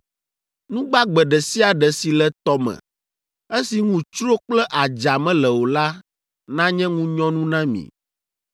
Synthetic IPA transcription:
nũ˦ɡ͡ba˦ɡ͡bɛ˨ɖɛ˨si˦a˨ɖɛ˨si˨lɛ˨t̪ɔ˦mɛ̰̃˨ | e˦si˨ŋũ˦t͡ʃɾo˦k͡plɛ˦ʔa˨d͡ʒa˨mɛ̃˦lɛ˨wo˨la˦ | nã˦ɲɛ̃˦ŋũ˦ɲɔ̃˦nũ˦nã˦mḭ̃˨

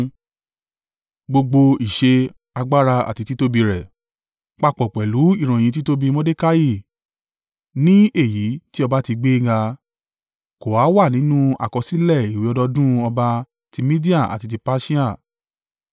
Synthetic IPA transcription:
ɡ͡bo˧ɡ͡bo˧i˨ʃe˧ | a˧ɡ͡ba˦ɾa˧a̰˨ti˧ti˦to˦bi˧ɾɛ˨ | k͡pa˧˨k͡pɔ˨k͡pɛ˨lu˨˦i˦˨ɾ̃ã˨ĩ˨˧t̬i˦to˦bi˧mɔ̃˦de˦ka˦ji˦˨ | nĩ˦ʔe˦˨ji˨˦ti˦ɔ˧ba˦ti˧ɡ͡be˦ɡa˧ | ko˨wa˨˦wa˦˨nĩ˨˦nũ˦a̰˨kɔ˧si˨˦lɛ˦˨i˨wi˨˦ɔ˧dɔ˧dũ˦ɔ˧ba˧ | ti˧mĩ˦di˦a˦˨a̰˨ti˧t̬i˧pa˦ʃi˦a˦˨

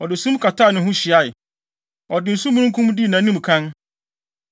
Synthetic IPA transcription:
ɔ˨dɪ˨sũ˦m˦kʰa˨taː˦˨nʊ̃˨hɦʊ̃˦ɕi˨a˦˨j | ɔ˨dɪ˨n̩˨su˦mũ˦nʊ̃˦kʰũ˦m˦dɪ˦˨nã˨˦nĩ˦m˨kʰã˦n

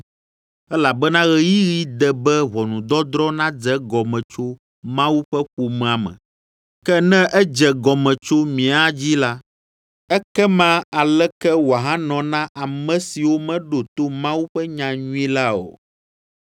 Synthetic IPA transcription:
ɛ˦la˨bɛ˦nã˦ɣɛ˦ji˦ɣi˦d̪ɛ˨bɛ˦βɔ˨nũ˨d̪ɔ˦d̪ɾɔ˦nã˦d͡zɛ˦ɡɔ˨mɛ̃˨t͡ʃo˦ | mã˦wu˦ɸɛ˦ɸu˨mɛ̃˨a˨mɛ̰̃˨ | kɛ˦nɛ̃˦ʔɛ˦d͡ʒɛ˨ɡɔ˨mɛ̃˨t͡ʃo˦mĩ˨a˨d͡ʑi˦la˦ | ɛ˦kɛ˦mã˦a˨lɛ˦kɛ˦wɦã˦nɔ̃˨nã˦ʔa˨mɛ̃˨si˨wo˦mɛ̃˦ɖo˨t̪o˦mã˦wu˦ɸɛ˦ɲã˨ɲũ˦i˦la˦o̰˨

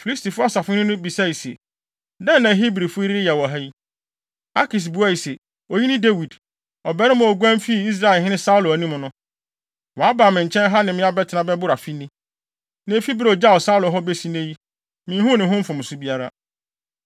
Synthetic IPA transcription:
fi˨li˦sti˨fʊ˦a˦sa˨fʊ˦nʊ̃˦nʊ̃˦bi˨sa˦˨i˨sḛ˨ | dɛ̃˦nː˨ã˨˦ɦi˦bɾi˨fʊ˦ɾi˦ɪ˦jɛ˨wɔ˨ɦɛ˦ji˦ | a˦kʰi˨s̬bu˨˦a˦i˨se˨ | o˨ji˦nɪ̃˦de˦wi˨d | ɔ˨bɛ˦ɾɪ̃˦mʊ̃˦ɔ˨ɡu˦æ̃˦m˦fi˦˨i˦s̬ɾa˦ɛ˨hɪ̃˦nɪ̃˦sa˦ʊ˦lo˨æ˨nĩ˦mʊ̃˨nʊ̃˦ | wɔ˨a˦ba˨mɪ̃˨ɲ˨t͡ɕʰɛ̃˦n˦ɦa˦nɪ̃˨mɪ̃˦a˦bɛ˦tʰɪ˨nã˦bɛ˦bʊ˦ɾa˨fi˦nĩ˦ | nẽ˦fi˦bɾd͡ʑa˦ɔ˨sa˦ʊ˦lʊ˨ɦɔ˦be˦si˦nẽ˦ji˦ | mɪ̃˦ɦʊ̃˦nɪ̃˨ɦʊ̃˦m̩˦fʊ̃˨mʊ̃˨sʊ˦bi˦a˦ɾa̰˦

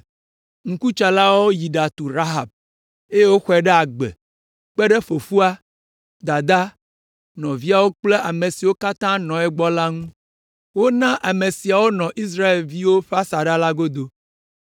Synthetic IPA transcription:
ŋ̩̃˨ku˦t͡ʃa˨la˦wo˦ji˨ɖa˨t̪u˨ɾa˦ɦa˨b̚ | e˦je˦wo˦xɛ˨ɖɛ˦a˨ɡ͡bḛ˨ | k͡pɛ˦ɖe˦fo˨fu˦a˦ | d̪a˨d̪a˦ | nɔ̃˨vi˦a˨wo˦k͡ple˦ʔa˨me˨si˨wo˦ka˦t̪ã˦nɔ̃˨ɛ˦ɡ͡bɔ˦la˦ŋũ˦ | wo˦nã˦ʔa˨me˨si˨a˨wo˦nɔ̃˨ʔi˦s̬ɾa˦e˨lvi˦wo˦ɸa˦sa˨ɖa˦la˦ɡo˦d̪o˦

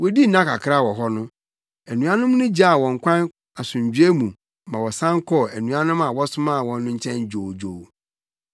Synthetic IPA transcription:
wɔ˦di˦n̩˨nã˦ka̰˨kʰɾa˦˨wɔ˨ɦɔ˦nʊ̃˦ | æ˨nũ˨a˦nʊ̃˦m˦nʊ̃˦d͡ʑa˦a˨wɔ̃˨ŋ̩˨kʷʰã˦n | a˨sʊ̃˨ɲ˨d͡ʑɥe˦mũ˨ | mã˨wɔ˨sã˦ŋ˦kʰɔ˦æ˨nũ˨a˦nʊ̃˦ma˨wɔ˦sʊ˦mã˦˨wɔ̃˨nːʊ̃˦ɲ̩˦t͡ɕʰɛ̃˦nd͡ʑo˨wd͡ʑo˨w

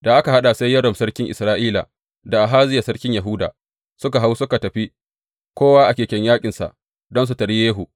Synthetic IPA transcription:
da˨ʔa˦ka˨ɦa˦ɗa˨sa˦jːɐ˦ɽɔ˨msɐ˦ɽkʲɪ˦ŋʔɪ̰˨sɾaː˦ʔiː˦la̰˨ | da˨ʔa˨ɦaː˦zɪ˦ja˨sɐ˦ɽkʲɪ˦ɲjɐ˨ɦʊ˦da̰ː˨ | sʊ˦ka˨ɦa˦wsʊ˦ka˨tɐ˨ɸi˦ | kʷoː˦waː˦ʔa˨kʲeː˨kʲɛ˦ɲjaː˦kʲʼɪ˨nsa̰˨ʔ | dɔ˦ns̬u˨tɐ˨ɽi˦jeː˦ɦu˨

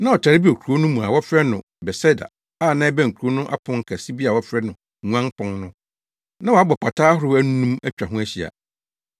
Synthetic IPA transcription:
nã˦ɔ˨t͡ɕʰa˨ɾɪ˦bi˦o˨kʰu˨o˦nʊ̃˦mũ˨a˨wɔ˦fɾɛ˦nʊ̃˨ | bɛ˨sɛ˦da̰˨ | a˦˨nã˦ɛ˦bæ̃˦˨ŋ̩˨kʰu˨o˦nʊ̃˦ʔa̰˦pʰʊ̃˨˦ŋ̩˦kʰa˨si˦bi˦a˨wɔ˦fɾɛ˦nʊ̃˨ | ŋ˦ã˦ŋpʰʊ̃˦ŋnʊ̃˦ | nã˦wɔ˨a˦bɔ˨pʰa˨tʰaː˦ɦʊ˦ɾɪ˦æ˦n˦nũ˦mæ˦t͡ɕᶣa˨ɦʊ̃˦æ˦ɕi˨a̰˨

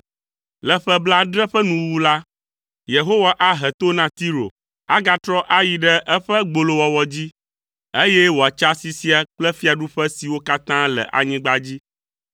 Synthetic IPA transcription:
lɛ˨ɸɛ˦bla˦ɖɾɛ˦ɸə˦nũ˨wu˦la˦ | je˨ɦo˦wa˨ʔa˦ɦɛ˨t̪o˦nã˦t̪i˦ɾo̰˨ | a˦ɡa˦t̪ɾɔ˦ʔa˦ji˨ɖɛ˦ʔɛ˦ɸə˦ɡ͡bo˨lo˦wɔ˨wɔ˨d͡ʑi˦ | e˦jɛ˦wo˨a˨t͡ʃa˦si˨si˦a˨k͡plɛ˦fi˦a˨ɖu˦ɸɛ˦si˨wo˦ka˦t̪ã˦lɛ̰˨ʔa̰˨ɲĩ˦ɡ͡ba˦d͡ʑi˦

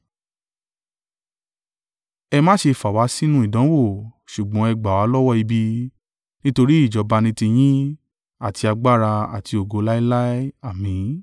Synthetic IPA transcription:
ɛ˧mã˦ʃe˧fa˨wa˨˦si˦nũ˦i˦˨dã˨˦wo˦˨ʃu˨ɡ͡bɔ̃˨˦ɛ˧ɡ͡ba˨wa˨˦lɔ˦wɔ˦˨i˧bi˧ | nĩ˦to˧ɾi˦i˦˨d͡ʒɔ˨˧ba˧nĩ˦tĩ˧j̃ĩ˦ | a˦˨ti˧a˧ɡ͡ba˦ɾa˧a̰˨ti˧o˨ɡo˨˧˦la˦i˦la˦i˦a˦˨mĩ˨˦

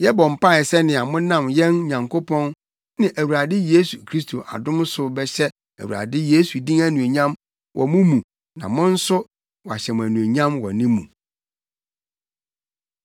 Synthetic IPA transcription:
jɛ˦bɔ̃˨m̩˨pa˦˨ɛ˨sɛ˦nɪ̃˨a˨mʊ̃˦nã˦˨mjɛ̃˦nɲã˨ŋkʰo˦pʰɔ̃˦n | nɪ̃˨ʔæ˨wu˨ɾa˨dɪ˦jeː˦su˨kʰɾi˦stʰo˨ʔa̰˨dʊ̃˦m˦sʊ˦bɛ˦ɕɛ˦ | æ̰˨wṵ˨a̰˨dɪ˦jeː˦su˨dĩ˦ŋæ˦nũ˨e˨ɲã˦m | wʔɔ̰˨mʊ̃˦mũ˨ | nã̰˨mʊ̃˦n̩˦sʊ˦ | wɔ˨a˨ɕɛ˨mʊ̃˨æ˨nũ˨e˨ɲã˦mwɔ̰˨nĩ˦mṵ̃˨

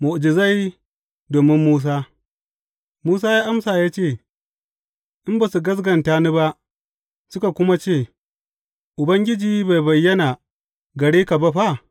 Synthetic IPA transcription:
mʊ˨ʔd͡ʒɪ˨za˦j | doː˨mɪ˦mːuː˦s̬aː˦ | muː˦saː˦jaː˦ʔa˦msaː˨jaː˦t͡ʃeː˦˨ | ʔɪ˦mba˨su˨ɡɐ˦s̬ɡɐ˨ntaː˦ni˦ba˦ʔ | sʊ˦ka˨kʷʊ˦ma˦t͡ʃeː˦˨ | ʔʊ˨bɐ˦ŋɡʲɪ˦d͡ʒiː˦ba˨jbɐ˨jːɐ˦na˨ | ɡɐ˨ɽiː˦ka˨ba˦ɸa˦˨

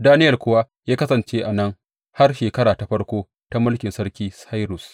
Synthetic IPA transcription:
daː˦nɪ˦jɐ˨lkʷʊ˦waː˦ | jaː˦kɐ˦sɐ˨nt͡ʃeː˦ʔa˨nɐ˦ŋ | ha˦rʃeː˨kɐ˦ɽaː˨ta˨˦ɸɐ˦ɽkʷoː˦ | ta˦mʊ˦lkʲɪ˨nsɐ˦ɽkʲiː˦sa˦jɾʊ˨s

